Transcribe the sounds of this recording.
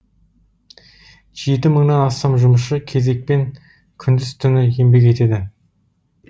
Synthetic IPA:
ʒ̥e̞t̪ɪməɴnɑnɑst̪ɑmʒʊməʃəkʲʰe̞ze̞k̚pe̞ŋ | kʲʰʏnd̪ɪz̥t̪ʰʏnɪje̞mbe̞k̬ʲe̞t̪e̞d̪ɪ

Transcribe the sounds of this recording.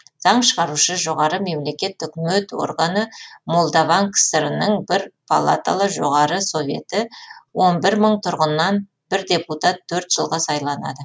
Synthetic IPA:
z̥ɑɴʃəʁɑɾuʃəʒo̞ʁɑɾəme̞mle̞kʲe̞t̪ʏkʲmet̪wo̞̰ɾɡɑnəmo̞lˠd̪avɑŋkʰsəɾənəɴbɪɾpʰalˠa̰t̪a̰lˠəʒo̞̰ʁɑɾəso̞vʲje̞̰t̪ɪwo̞nbɪɾməɴt̪ʰʊɾʁənːɑn | bɪɾd̪ʲe̞put̪at̪ʰːɵɾt̪ʒ̥əlˠʁɑsɑjlˠɑnɑ̰d̪ə

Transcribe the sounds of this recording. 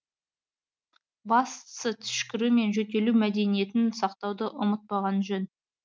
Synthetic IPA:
bɑst̪sət̪ʰʏ̥ʃkʲɪɾume̞nʒɵt̪e̞lumæd̪e̞nije̞t̪ɪnsɑqt̪ɑwd̪əʔʊmət̪̚pɑʁɑnʒɵn

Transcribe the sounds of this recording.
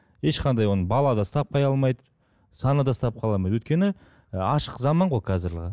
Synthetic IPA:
je̞ʃqʰɑnd̪ɑjwo̞nəbɑlˠɑd̪ɑst̪ɑp̚qʰɑjɑlˠmɑjd̪ə | sɑnəd̪ɑst̪ɑp̚qʰɑlˠɑlˠmɑjd̪wɵjt̪̚kʲe̞nɪ | ɑʃəqzɑmɑɴʁojqʰɑzɪɾləʁɑ

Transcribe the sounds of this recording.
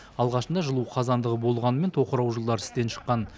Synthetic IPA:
ɑlˠʁɑʃənd̪ɑʒəlˠuqʰɑzɑnd̪əʁəbo̞lˠʁɑnəment̪ʰo̞qəɾɑwʒəlˠd̪ɑɾɪ̥st̪e̞nʃə̥qːɑn

